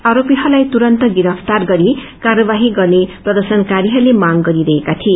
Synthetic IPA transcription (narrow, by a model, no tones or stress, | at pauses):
aɾopiɦʌlajt̪uɾʌnt̪ʌɡiɾʌpʰt̪arɡʌɾi | karʌbaɦiɡʌrneprʌd̪ʌrsʌnkaɾiɦʌrlemaŋɡʌɾiɾʌɦekat̪ʰie